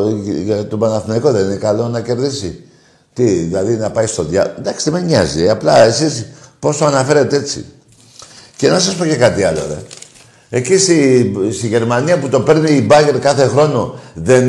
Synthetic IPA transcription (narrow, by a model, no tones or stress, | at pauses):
ʝɐt̪obɐnɐθnɐikoðe̞ninekɐlo̞nɐce̞ɾðisi | t̪iðilɐðinɐpɐist̪o̞ðʝɐ̰nd̪ɐksi̥ðemeɲɲɐzieɐplɐe̞sispo̞st̪oɐnɐfeɾe̞t̪eet͡sḭ | ce̞nɐsɐspo̞cekɐt̪iɐlo̞̰ḛ | e̞cist̪ist̪iʝe̞ɾmaniɐput̪o̞pe̞ɾniːbɐʝeɾkɐθe̞xɾo̞no̞ðe̞n